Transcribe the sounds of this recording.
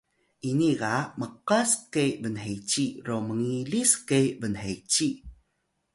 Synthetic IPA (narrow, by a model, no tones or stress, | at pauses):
ʔiniɡaməqaskejbənɦejt͡ɕiɾoməŋiliskejbənɦet͡ɕi